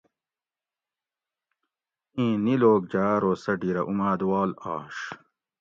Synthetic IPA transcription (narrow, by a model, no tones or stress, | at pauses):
ĩːniloːk̚d͡ʑaːɾoːsɐɖiɾɐʔumaːd̪wɑːlɑ̰ːʂ